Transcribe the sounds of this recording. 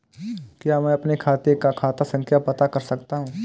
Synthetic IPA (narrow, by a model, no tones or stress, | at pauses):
kjaːmɛ̃ɐpnekʰaːt̪eɾkakʰaːt̪asɐ̃ŋkʰjapɐt̪akɐɾsɐkt̪aɦũː